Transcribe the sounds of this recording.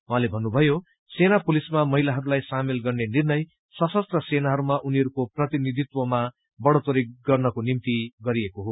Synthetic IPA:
wɦalebʱʌnːubʱʌjo | senapulismamʌɦilaɦʌɾulajsamelɡʌrnenirnʌj | sʌsʌst̪rʌsenaɦʌɾumaʔuniɦʌɾukoprʌt̪inid̪ʱit̪wʌma | bʌɽot̪oɾiɡʌrnʌkonimt̪iɡʌɾijekoɦo

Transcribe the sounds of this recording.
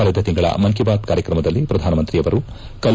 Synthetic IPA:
aːlid̪ɐt̪iŋɡɐɭɐ̰mɐŋkibaːt̪̚kaːɾjɐkɾɐmɐd̪ɐlːipɾɐd̪ʱaːnɐmɐnt̪ɾiɐʋɐɾu | kɐl

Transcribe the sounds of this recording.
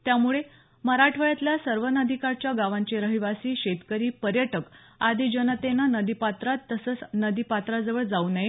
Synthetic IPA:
t̪jamuɭe | məɾaʈʰʋəjat̪ljasəɾʋənəd̪ʱikaɾt͡ɕjaɡaʋaɲt͡ɕeɾəɦiʋasiːɕet̪kəɾiːpəɾjəʈək | ad̪id͡ʑənət̪enanəd̪ipat̪ɾat̪ːəsət͡snəd̪ipat̪ɾad͡zəʋəɭd͡zaunaj

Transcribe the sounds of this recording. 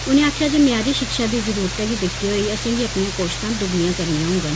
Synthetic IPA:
ʊnẽːaːkʰjaːd͡ʒeːmɛ̃ãːɾiːʃɪkʃaːd̪iːzəɾuːɾət̪ɛːɡiːd̪ɪkt̪iːɦoːiːəsẽːɡiːəpnijãːkoːʃsãːd̪ʊɡnijãːkəɾnijãɦʊ̃ːɡaːn

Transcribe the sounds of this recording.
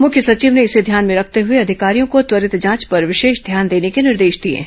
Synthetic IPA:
mʊkʰjəsɐt͡ʃiːʋneɪsed̪ʱjaːnmẽɾɐkʰt̪eɦʊeɐd̪ʱɪkaːɾijõkot̪ʋɐɾɪt̪d͡ʒãːt͡ʃpɐɾʋɪʃeːʃd̪ʱjaːnd̪eːnekenɪɾd̪eːʃd̪iḛː

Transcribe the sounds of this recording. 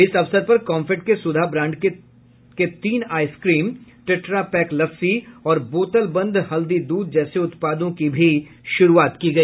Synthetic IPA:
ɪsɐʋsəɾpɐɾkɔ̃ːmfɪʈkesʊd̪ʱabɾãːɳɖke | ket̪iːnaːɪskɾiːmʈɪʈɾapɛːklɐfsiɔːɾboːt̪əlbɐ̃nd̪ʱhɐld̪id̪uːd̪̚d͡ʒɛːseʊt̪paːd̪õkibʱi | ʃʊɾuaːt̪kiɡɐiː

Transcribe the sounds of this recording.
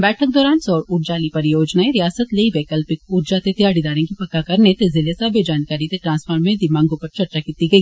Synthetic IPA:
bɛːʈʰək̚d̪ɔːɾaːnsɔːɾʊɾd͡ʒaːlipɐɾjoːd͡ʒnaẽɾijaːsət̪leiʋɛːkəlpɪkʊɾd͡ʒat̪et̪ijaːɽid̪aːɾẽkipɐkːakɐɾnet̪ezɪlesaːbed͡ʒaːnkaːɾit̪eʈɾãːnspʰəɾmẽd̪ɪmãŋɡopɐɾt͡ʃɐɾt͡ʃakiːt̪iɡɐi

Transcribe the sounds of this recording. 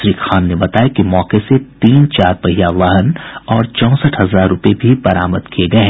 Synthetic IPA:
ɾiːxaːnːebɐt̪aːekimɔːqeset̪iːnt͡ʃaːɾpɐɦijaʋɐɦənɔːɾt͡ʃɔ̃ːsəʈɦɐzaːɾːʊpebʱibɐɾaːməd̪kieɡɐeɦ

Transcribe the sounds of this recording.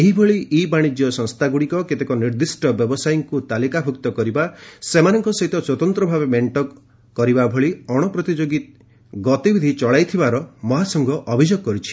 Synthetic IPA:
eɦibʱɔɭiʔibaɽ̃id͡ʒjɔsɔŋst̪ʰaɡuɽikɔket̪ekɔniɾd̪isʈɔbjɔbɔsajɔŋkut̪alikabʱukt̪ɔkɔɾibasemanɔŋkɔsɔɦit̪ɔswɔt̪ɔnt̪ɾɔbʱabemeɳʈɔ | kɔɾibabʱɔɭiɔɽ̃ɔpɾɔt̪id͡ʒoɡit̪ | ɡɔt̪ibʱid̪ʱit͡ʃɔɭajt̪ʰibaɾɔmɔɦasɔŋɡɔʔɔbʱid͡ʒoɡ̚kɔɾit͡ʃʰi̥

